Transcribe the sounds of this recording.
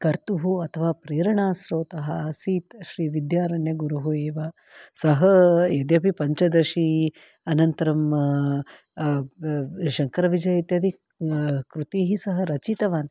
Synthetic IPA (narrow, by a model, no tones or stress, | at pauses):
kɐɾt̪uɦuɐt̪ʰɐʋaːpɾeːɾɐɳaːsɾoːt̪ɐɦɐsiːt̪ʃɾiːʋid̪jaːɾɐɳjɐɡuɾuɦueːʋɐ | sɐɦɐjed̪jɐpipɐɲt͡ʃɐd̪ɐʃi | ɐnɐnt̪ɐɾɐm | ʃɐŋkɐɾɐʋid͡ʒɐjit̪jɐd̪i | kɾut̪iːɦisɐɦɐɾɐt͡ʃit̪ɐʋaːn